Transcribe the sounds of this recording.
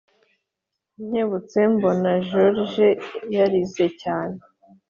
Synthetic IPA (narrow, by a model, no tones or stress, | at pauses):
ɲ̥eβut͡sembonaʒoɾʒejaɾizecaːne